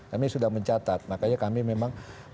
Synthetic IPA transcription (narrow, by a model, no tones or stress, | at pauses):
kamisudahməɲt͡ʃat̪at̪̚makaɲakamimemaŋ